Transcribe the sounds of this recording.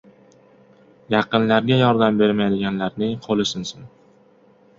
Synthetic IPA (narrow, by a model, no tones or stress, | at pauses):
jɑqɨnlaɾɡʲajɒɾd̪ambe̞ɾmajd̪ɪɡʲanlaɾnɪŋqʰolɪsɪnsɪn